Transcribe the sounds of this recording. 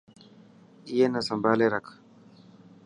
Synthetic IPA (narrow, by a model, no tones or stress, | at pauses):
ijenasambaleɾak